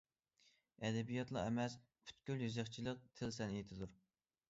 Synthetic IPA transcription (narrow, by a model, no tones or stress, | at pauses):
ɛd̪ɛbijɑt̪lˠɑ̰æ̰mɛs | pʰy̥t̪kʲyljyzæχt͡ʃʰilˠəq̚t̪ʰɪlsɛnet̪ʰɪd̪uɾ